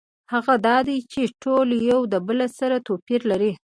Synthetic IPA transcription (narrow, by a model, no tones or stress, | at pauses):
haɣad̪ɑd̪ajt͡ʃeʈoljawd̪əbəlasaɾat̪opiɾlaɾi